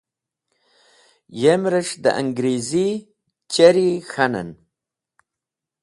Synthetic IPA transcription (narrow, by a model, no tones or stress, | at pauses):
jemɾəʂd̪ə̰ʔa̰ŋɡɾezi | t͡ɕɐɾixana̰n